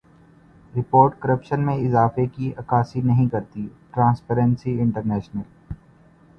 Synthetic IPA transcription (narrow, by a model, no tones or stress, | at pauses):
ɾɪpoːɾʈkɐɾəpʃənmẽɪzaːfekiʔɐkaːsinɐɦĩkɐɾt̪iʈɾãːnspɛːɾə̃nsiɪ̃ɳʈəɾnɛːʃnəl